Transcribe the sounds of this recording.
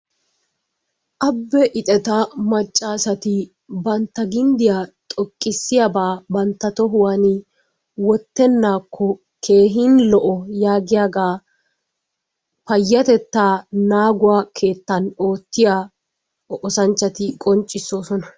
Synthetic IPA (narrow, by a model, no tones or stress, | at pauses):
ʔɐbːɛʔɪt̪ʼɛt̪ɐmɐt͡ʃʼːaːsɐt̪ɪ | bɐnt̪ːɐɡɪnd̪ɪjat̪ʼɔkʼːɪsːɪjabaːbɐnt̪ːɐt̪ɔɦʊwɐnɪ | wɔt̪ːɛnːaːkʰːɔ | kʰe̞ːɦɪnlɔʔɔjaːɡɪjaːɡaː | pɐjːɐt̪ɛt̪ːaːnaːɡʊwaːkʰe̞ːt̪ːɐno̞ːt̪ːɪjaː | ɔʔɔsɐnt͡ʃːɐt̪ɪkʼɔnt͡ʃʼːɪsːo̞ːsɔnɐ